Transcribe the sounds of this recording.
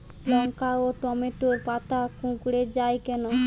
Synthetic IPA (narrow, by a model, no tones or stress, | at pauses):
lɔŋkaoʈɔmeʈoɾpat̪akũkɽed͡ʑajkɛno